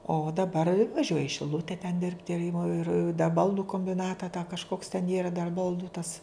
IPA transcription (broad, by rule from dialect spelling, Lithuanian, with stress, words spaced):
oː dɐˈbɐr ʋɐˈʒʲuɔjɛ ɪ ʃʲɪˈlˠʊtʲɛ tʲɛn ˈdʲɪrʲpʲtʲɪ ɪr ɪmoː ɪr dɐ ˈbɐlˠdʊ koːmʲbʲɪˈnɑːtɐ tɑː kɐʃˈkoːks tʲɛn ˈiːrɐ dɐr ˈbɐlˠdʊ tɐs